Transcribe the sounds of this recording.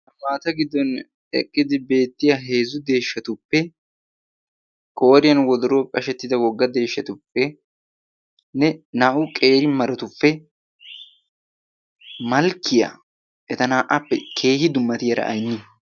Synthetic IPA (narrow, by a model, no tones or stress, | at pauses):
hɐmaːt̪ɐɡɪd̪ːɔn | ɛ̰kʼːɪd̪ɪbe̞ːt̪ːɪjaɦe̞ːzʊd̪e̞ːʃːɐt̪ʊpːɛ | kʼo̞ːɾɪjɐnwɔd̪ɔɾoːkʼɐʃɛt̪ːɪd̪ɐwɔɡːɐd̪e̞ːʃːɐt̪ʊpːɛ | nɛnaːʔʊkʼe̞ːɾɪmɐɾɐt̪ʊpːɛ | mɐlkːɪja̰ | ʔɛt̪ɐnaːʔɐpːɛkʰe̞ːhɪd̪ʊmːɐt̪ɪjɐɾɐ̰ʔɐ̰jnːɪ